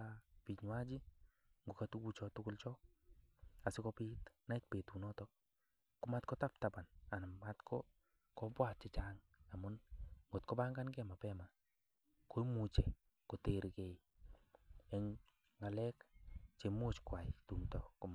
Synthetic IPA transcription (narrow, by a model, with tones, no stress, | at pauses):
api˨ɲwa˦d͡ʒi˦ | ŋɡo˨katu˦ku˦t͡ʃɔ˧tʊkʊ˦lt͡ʃɔ˦ | a˨sɪ˦kɔpɪ˦tna˦i˦t̚pe˨tu˨nɔtɔ | kʊ˦ma˦tkɔ˦ta˦p̚taba˨na˨na˨ma˦tkʰɔ | kɔbwa˨tt͡ʃɪ˦t͡ʃaŋ | a˨mʊ˦nŋɡo˨tkɔ˦ba˦ŋɡa˦nkɛ˦ma˨pɛma˨ | ko˦i˦mu˨t͡ʃe˨ | ko˨teɾke˦i | ɛ˦ŋ | ŋa˨lɛ˦kt͡ʃe˨mo˦t͡ʃkwa˨ɪtu˨mtɔkʊm